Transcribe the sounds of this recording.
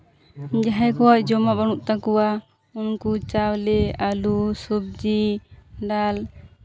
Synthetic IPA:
d͡ʒaɦajkɔwaʔd͡ʒɔmabaɽ̃uʔt̪akɔwa | unkut͡ʃawlɛalusub̚d͡ʒiɖal

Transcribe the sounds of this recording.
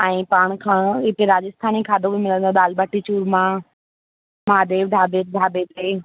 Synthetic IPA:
ɛ̃ːpaːɽ̃kʰãːɪt̪eɾaːd͡ʑəst̪ʰaːnikʰaːd̪õbʱimɪlə̃nd̪õɗ̪aːlbəʈit͡ɕuːɾmã | maːd̪eːʋɖʱaːbeːɾ̚ɖʱaːbeːd̪eː

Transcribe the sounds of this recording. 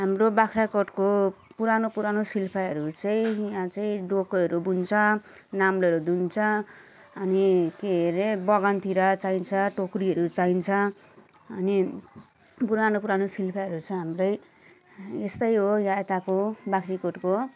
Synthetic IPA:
ɦamrobakʰɾakoʈkopuɾanopuɾanosilpʰaɦʌɾut͡saĩjãt͡saĩɖokɦʌɾubunt͡sʰʌnamleʌɾud̪unt͡sʰʌ | ʌnikeɦeɾebʌɡʌnt̪iɾʌt͡saint͡sʰʌʈokɾiɦʌɾut͡saint͡sʰʌ | ʌni | puɾanopuɾanosilpʰaɦʌɾut͡sʰʌɦamrʌj | est̪ʌjɦojãet̪akobakʰrikoʈko

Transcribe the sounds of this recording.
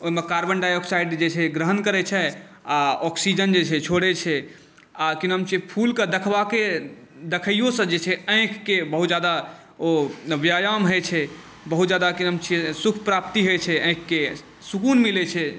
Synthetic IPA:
oimekaɾbəɳɖajɔksaiɖd͡ʒet͡ʃʰɛɡɾəɦənkəɾɛt͡ʃʰɛ | aɔksid͡ʒənd͡ʒet͡ʃʰɛt͡ʃʰoɽɛt͡ʃʰɛ | akinɦəmt͡ʃipʰulked̪əkʰʋake | d̪ekʰəjjosə̃d͡ʒet͡ʃʰɛə̃kʰːebəɦut̪d͡ʒjad̪a | objajamɦet͡ʃʰɛ | bəɦut̪d͡ʒjad̪akinɦəmt͡ʃʰesukʰpɾap̚t̪iɦot͡ʃʰɛə̃ɪ̃kʰːe | sukunmilet͡ʃʰɛ

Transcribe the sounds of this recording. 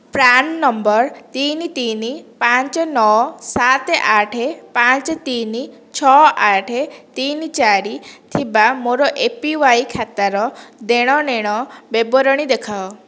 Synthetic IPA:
pɾannɔmbɔɾt̪init̪inipaɲt͡ʃɔnɔsat̪eʔaʈʰepaɲt͡ʃt̪ini | t͡ʃʰɔʔaʈʰet̪init͡ʃaɾit̪ʰibamoɾɔʔepiʋajkʰat̪aɾɔd̪eɽ̃ɔneɽ̃ɔbebɔɾɔɽ̃id̪ekʰawɔ

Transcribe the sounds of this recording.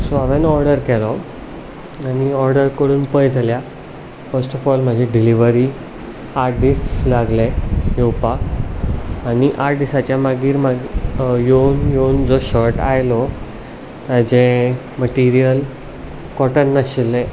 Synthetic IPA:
sɔaʋɛnɔɾɖəɾkɛlɔ | aniɔɾɖəɾkəɽuːnpəjd͡zʱalja | fəɾsʈɔfɔlməd͡ʑʱɛɖiliʋəɾi | aɾɖislaɡlɛ̃jewpaː | niʔaɖisat͡ɕjamaɡiːɾmaɡjenjeund͡zɔɕɔɾʈajlɔ | t̪ad͡ʑẽ | məʈiɾijəl | kɔʈənːaɕilːɛ̃

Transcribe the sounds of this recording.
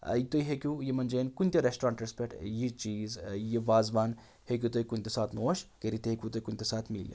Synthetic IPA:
it̪oiɦekʲũjimɐnd͡ʒenkunt̪ʲɐɾesʈɾaːɳʈɾespʲeʈjit͡ʃiːzjiʋaːzʋaːn | hek̬ʲjut̪oikunt̪ʲesaːt̪ʰnoːʃkeɾit̪ʲeɦekʲut̪oikunʲt̪ʲesaːt̪ʰmḭljḭ

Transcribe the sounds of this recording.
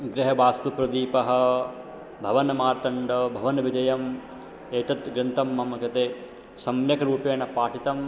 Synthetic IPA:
ɡɾɪɦɐʋaːst̪upɾɐd̪iːpɐɦɐ̆ | bʱɐʋɐnɐmaːɾt̪ɐɳɖɐbʱɐʋɐnɐʋid͡ʒɐjɐm | eːt̪ɐt̪ɡɾɪnt̪ɐmːɐmɐkɐt̪eː | sɐmjɐkɐɾuːpeːnɐpaːʈit̪ɐm

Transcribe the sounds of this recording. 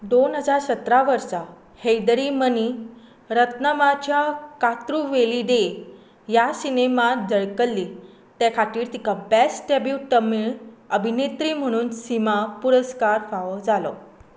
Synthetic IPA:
d̪onɦəd͡zaɾsət̪ɾaʋəɾsa | hejd̪əɾiməni | ɾət̪nəmat͡ɕjakat̪ɾuʋelid̪e | jasinemad͡zəɭkəlːiː | t̪ɛkʰat̪iːɾt̪ikʰabɛsʈɛbiʈ̪əmiɭəbʱinet̪ɾiːm̤əɽ̃uːnsimapuɾəskaɾfaʋəd͡zalɔ̰

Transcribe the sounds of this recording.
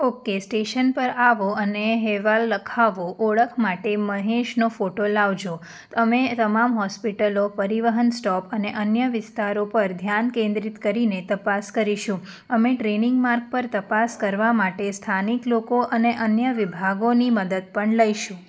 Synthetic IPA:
okesʈeʃənpəɾaʋoəneɦeʋalːəkʰaʋoʔoɭəkʰmaʈeməɦeʃnofoʈolaʋd͡ʒo | əmet̪əmamɦɔspiʈəlopəɾiʋəɦənsʈɔpəneʔənjəʋɪst̪aɾopəɾd̪ʱjankẽnd̪ɾit̪kəɾinet̪əpaskəɾiʃũ | əmeʈɾenɪŋɡmaɾk̚pəɾt̪əpaskəɾʋamaʈest̪ʰaniklokoʔəneʔənjəʋibʱaɡoniməd̪əd̪̚pəɳləiʃũ

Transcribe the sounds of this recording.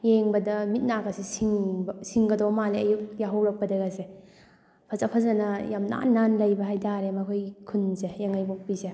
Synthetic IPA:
jeŋbɐdɐmit̚nakɐsisiŋbsiŋɡɐdɔmaleɐjuk̚jaɦawɾɐk̚pɐdɐɡɐse | pʰɐzapʰɐzanɐjamna̰nːanlɐjbɐɦajtʰaɾemɐkʰojkʰunsejaŋajbɔk̚pise

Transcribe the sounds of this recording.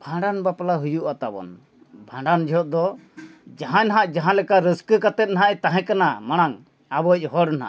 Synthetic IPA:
bʱãɳɖanbapalaɦujuʔat̪abɔ̰n | bʱãɳɖand͡ʒʱɛɔt̪̚d̪ɔ | d͡ʒaɦãnaɦaʔd͡ʒaɦãlɛkaɾəskəkat̪ɛt̪̚naɦãʔɛt̪aɦɛ̃kanamaɽ̃aŋ | abɔc̚ˀɦɔɽnaɦa̰

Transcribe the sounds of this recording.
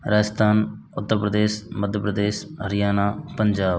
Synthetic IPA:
ɾaːd͡ʒəst̪ʰaːnʊt̪ːəɾpɾəd̪eːʃməd̪ʱjəpɾəd̪eːʃɦəɾɪjaːnaːpəɲd͡ʒaː

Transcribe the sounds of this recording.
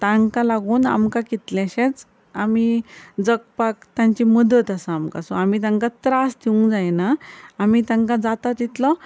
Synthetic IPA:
t̪ãŋkalaɡuːna̰mkakit̪lãɕet͡s | amid͡zəkpakt̪jãɲt͡ɕiməd̪ət̪asaamka̰sɔ̰amit̪ãŋkat̪ɾasd̪ʰiũŋɡd͡zajnaːmit̪ãŋkad͡zat̪at̪it̪lɔ

